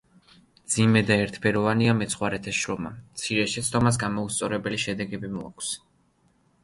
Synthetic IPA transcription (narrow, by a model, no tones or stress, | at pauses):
d̪zimɛd̪aɛɾt̪ʰpʰɛɾɔvaniamɛt̪sʰχwaɾɛt̪ʰɛsʃɾɔma̰t̪sʰiɾɛʃɛt̪sʰd̪ɔmas̬ɡamɔust̪sʼɔɾɛbɛliʃɛd̪ɛɡɛbimɔa̰kʷʰs